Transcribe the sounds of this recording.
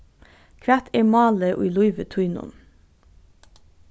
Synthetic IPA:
kʰʋæt̪ʰeːmɑːləʔo̰ːiːlʊʏʋət̪ʰʉʏnʊ̰n

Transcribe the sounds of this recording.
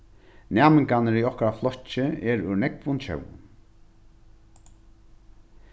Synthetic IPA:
næːmɪŋkanəɾiɔhkɾaflɔt͡ʃːɪɛɾʉnɛkvʊnt͡ʃʰœ̰wʊ̰n

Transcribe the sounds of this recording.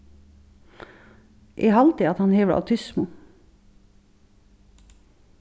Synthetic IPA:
ʔiːhɑlt̪iɑt̪hɑnheːʋəɽə̰ʔɑ̰t̪ʰʏsmu

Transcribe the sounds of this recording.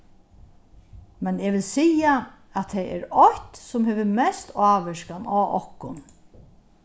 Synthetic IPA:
mɛnɛːʋɪlsiːa | æt̪ʰːɛɛ̰ɾɔht̪sʊmɦeːʋəmɛst̪ʰaːʋɪʃkanaːʔɔ̰hkʊn

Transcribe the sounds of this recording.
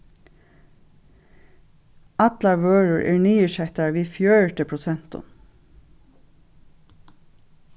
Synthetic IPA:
at̪laɹʋøːɹʊɹʔɛ̰ɹniːɪʃɛht̪aɹʋiːfjœːɹʈəpʰɹʊsɛn̥t̪ʊ̰m

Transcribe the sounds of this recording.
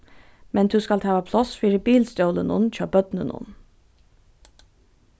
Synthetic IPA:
mɛnd̪ʉːskɑlt̪ʰɑːəpʰlɔsfiːɾəbiːlst̪ɔːlənʊ̰nc͡çøːpœd̪nə̰nʊ̰n

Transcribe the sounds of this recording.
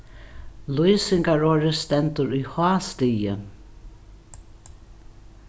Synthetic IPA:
lujsɪŋkaɹɔːɾɪst̪ɛnt̪ʊɾujhɑːst̪iːjə

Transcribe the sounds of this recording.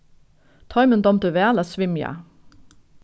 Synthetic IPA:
t̪ʰɑjmənd̪ɔmt̪əʋeaːlasʋɪmja̰

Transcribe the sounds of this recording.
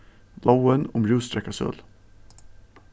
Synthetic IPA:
lʔawənɔmɾʉːst̪ɾɛkːasœ̰lː

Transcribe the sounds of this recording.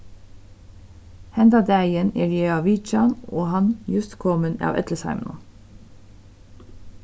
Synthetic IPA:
hɛnd̪ɑd̪æɪənḛːɾjeːɑːʋiːt͡ʃɑnoːhɑnjʉst̪kʰɔmənɑ̰ːʋʔɛ̰t̪ləsɑ̰ɪmn̰

